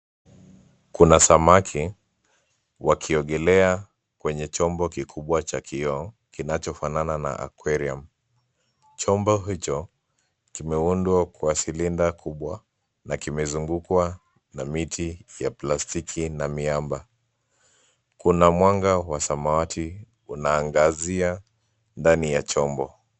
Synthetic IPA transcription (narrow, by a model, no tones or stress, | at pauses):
kunasamakʰi | wakʰiɔɠɛlɛa | kwɛɲɛt͡ʃɔmbɔkikʰuɓwat͡ʃakʰiɔ | kinat͡ʃɔfananana̰ʔa̰kwɛɾiam | t͡ʃɔmbɔɦit͡ʃɔ | kimɛundwakwasilindakʰuɓwa | nakimɛzuŋɡukwa | namitʰijaplastikʰinamiamba | kunamwaŋɡawasamawatʰi | unaːŋɡazia | ndanijat͡ʃɔmbɔ